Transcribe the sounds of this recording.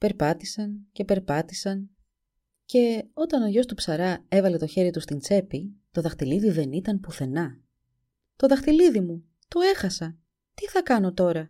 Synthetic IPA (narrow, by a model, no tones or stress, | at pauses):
pe̞ɾpɐt̪isɐnce̞pe̞ɾpɐt̪isɐn | ce̞o̞t̪ɐno̞ʝo̞st̪upsɐɾɐe̞vɐle̞t̪o̞çe̞ɾit̪ust̪int͡se̞pit̪o̞ðɐxt̪iliðiðe̞nit̪ɐnpuθe̞nɐ | t̪o̞ðɐxt̪iliðimu | t̪o̞e̞xɐsɐ | t̪iθɐkɐno̞t̪o̞ɾɐ